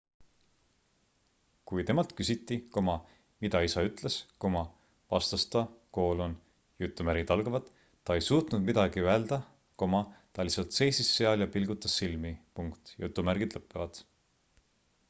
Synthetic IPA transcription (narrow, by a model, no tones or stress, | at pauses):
kujt̪e̞mɑlt̪kysʲit̪ˑːiko̞mɑ | mid̪̥ɑisɑyt̪ˑle̞skumɑ | vɑ̰st̪ɑst̪ɑko̞ːlon | jut̪ːˑumæɾɡ̥id̪̥ɑlɡ̥ɑvɑd̪̥ː | ɑe̞jsuːt̪nud̪̥mid̪ɑɡ̥iæld̪̥ɑ | ko̞mɑt̪ɑlisɑlt̪se̞jsisːe̞ɑljɑpilɡ̥ut̪ːˑɑsːilmipuŋkt̪jṵt̪ːˑumæɾɡ̥id̪̥lɤpːˑevɑd̪̥